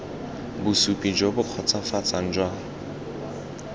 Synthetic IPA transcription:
bʊsupʼid͡ʒɔbʊq͡χʰɔt͡sʰafat͡sʰʼan̩d͡ʒwa

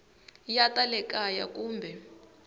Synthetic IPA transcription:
jatʼalɛkʼaja̰k̬ʼuːmbʱɛ

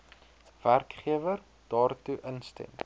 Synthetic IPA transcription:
værkχiəvər | d̥ɑːrtuʔənstɛ̰m

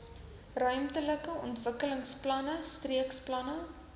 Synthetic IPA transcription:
rœɥmtələkəʔɔ̰ntvəkələŋsplɐnəstriəksplɐnə

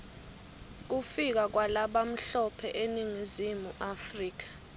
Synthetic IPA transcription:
k̬ufik̬ak̬walaɓam̩ɬɔpʰɛʔeniŋizimuʔafriːk̬ḁ

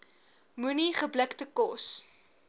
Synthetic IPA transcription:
muniχəbləktəkɔs

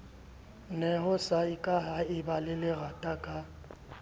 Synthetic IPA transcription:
nɛɦʊsaɪkʼaɦaɪbalɪlɪɣatʼakʼa

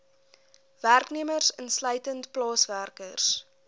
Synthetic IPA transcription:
værkniəmərsənsləjtəntplɑːsværkərs

